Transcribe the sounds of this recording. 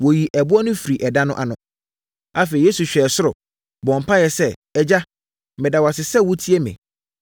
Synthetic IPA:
wo˨ji˨ʔɛ˨bʊ˦ɔ˦nʊ̃˦fi˨ɾi˨ʔɛ˨da˦nʊ̃˦ʔa̰˨nʊ̃˦ | a˦fe˨i˨je˦su˨ɕᶣɛː˨sʊ˦ɾʊ̰˨ | bɔ̃˨m̩˨pʰa˦jɛ˨sɛ˦˨ɛ˨d͡ʑa˦ | mɪ̃˨da˨wa˨sɪ˨sɛ˦˨wʊ˦tʰi˦ɛ˦mɪ̰̃˨

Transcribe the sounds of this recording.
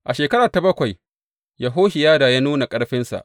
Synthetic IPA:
ʔa˨ʃeː˨kɐ˦ɽaː˨ta˦bɐ˦kʷa˨j | ja˦ɦoː˦ʃɪ˨jaː˦da˨jaː˦nuː˦na˨kʼɐ˦ɽɸɪ˦nsa̰˨ʔ

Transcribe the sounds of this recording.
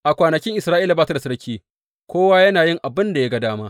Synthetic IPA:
ʔa˨kʷaː˨nɐ˨kʲɪ˦ŋʔɪ˨sɾaː˦ʔiː˦la˨˦baː˦ta˦da˨sɐ˦ɽkʲiː˦ | kʷoː˦waː˦jɐ˦naː˨jɪ˦ŋʔa˨bɪ˦nda˨ja˦ɡɐ˦daː˦maː˦ʔ

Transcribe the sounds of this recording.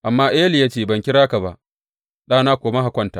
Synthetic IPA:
ʔa˨mːaː˦ʔeː˦li˨jaː˦t͡ʃeː˦˨bɐ˨ŋkʲɪ˦ɾaː˦ka˨ba˨ʔ | ɗaː˦naː˦kʷoː˨ma˦ɦa˨kʷɔ˦nta˨

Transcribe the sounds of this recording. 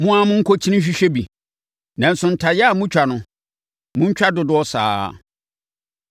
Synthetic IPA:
mʊ̃˦ã˦mʊ̃˦ŋ̩˦kʰo˦t͡ɕʰi˦nĩ˦ɕ̬ᶣi˦ɕᶣe˦bḭ˨ | nã˨n̩˨sʊ̃˨n̩˨tʰa˨jɛ˦a˨mʊ̃˦t͡ɕᶣa˨nʊ̃˦ | mʊ̃˦ɲ̩˦t͡ɕᶣa˦dʊ˨dʊ˦ɔ˦sa̰ː˦

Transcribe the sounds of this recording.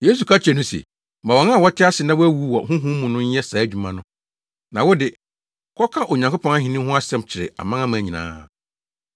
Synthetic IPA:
je˦s̬u˨kʰa˦t͡ɕʰᶣɛ˨nʊ̃˦sḛ˨ | mã˨wɔ̃˨˦ã˦˨wɔ˦tʰɪ˦a˦sɪ˨nã˦wʊ˦æ˦wu˦wɔ˨ɦʊ̃˦ɦũ˦mũ˨nʊ̃˦ɲ˦jɛ˦saː˨˦æ˦d͡ʑᶣu˨mã˦nʊ̃˦ | nã˨wʊ˦dɪ˨ | kʰɔ˦kʰã˦ʔo˨ɲã˨ŋko˦pʰɔ̃˦na˦ɦĩ˨nĩ˦ɦʊ̃˦a˦sɛ̃˦m˨t͡ɕʰɪ˨ɾɪ̰˨a̰˨mã˦ŋã˦mʊ̃˨æ˨ɲĩ˨nã̰ː˦

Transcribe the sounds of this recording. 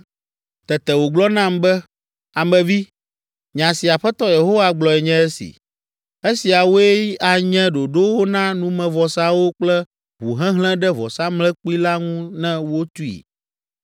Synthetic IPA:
t̪ɛ˨t̪ɛ˨wo˨ɡ͡blɔ˦nã˦mbɛ˦ | a˨mɛ̃˨vi˦ | ɲã˨si˨a˨ɸɛ˦t̪ɔ˦je˨ɦo˦wa˦ɡ͡blɔ˨ɛ˨ɲɛ̃˦ɛ˦sḭ˨ | e˦si˨a˨wo˦ɛ˦ji˦a˨ɲɛ̃˦ɖo˨ɖo˦wo˦nã˦nũ˦mɛ̃˨vɔ˨sa˦wo˦k͡plɛ˦ | ɦu˨ɦɛ̃˦ɦl̃ɛ̃˦ɖɛ˦vɔ̰˨sa˦mlɛ̃˦k͡pi˦la˦ŋũ˦nɛ̃˦wo˦t̪u˦ḭ˨

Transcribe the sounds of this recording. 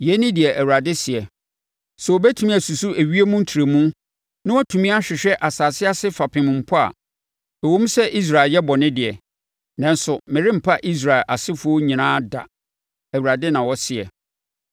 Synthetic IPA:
jɛ˦nɪ̃˦dɪ˨ɛ˨ʔæ˨wu˨ɾa˨dɪ˦sɪ˨ɛ˨ | sɛ˨o˨bɛ˦tʰũ˨˦mĩ˦æ˨su˨su˦ʔæ˨ɥi˦e˦mũ˦n̩˦tʰi˨ɾe˨mũ˦ | nɪ̃˦wɔ˦tʰũ˨mĩ˦a˦ɕᶣɪ˨ɕᶣɛ˦ʔa˨saː˨sɪ˦a˦sɪ˦fa˨pʰɪ̃˨mʊ̃˨m̩˨pʰɔ˦a̰˨ | ɛ˨wõ˦m˦sɛ˦ʔi˦s̬ɾa˨ɪ˨ljɛ˦bɔ˨nɪ̃˦dɪ˨ɛ˨ | nã˨n˦sʊ˨mɪ̃˨ɾɪ˦m̩˨pʰa˦ʔi˦s̬ɾa˨ɪ˨lʔa˨sɪ˦fʊ˦o˦ɲĩ˨nãː˦da̰˨ | æ˨wu˨ɾa˨dɪ˦nã˨wɔ˦sɪ˨ɛ̰˨

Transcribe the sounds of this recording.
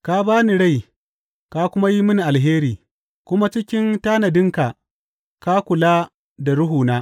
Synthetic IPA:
ka˦baː˦ni˨ɽa˦˨j | ka˦kʷʊ˦ma˦ji˦mʊ˦ni˨ʔa˨lɦeː˦ɾiː˨ | kʷʊ˦ma˦t͡ʃɪ˦kʲɪ˦ntaː˦nɐ˨dɪ˦ŋka˨ | ka˦kʷʊ˨la˦ | da˨ɽʊ˦ɦuː˨naː˦

